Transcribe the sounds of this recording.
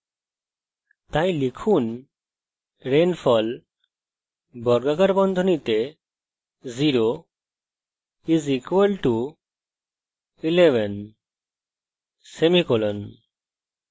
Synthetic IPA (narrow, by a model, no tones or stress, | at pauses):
t̪ãĩlikʰun | ɾenfʰɔl | bɔɾɡaɡaɾbɔnd̪ʱɔnit̪e | ziɾo | izikʋəlʈu | ileʋɛn | semikɔlɔn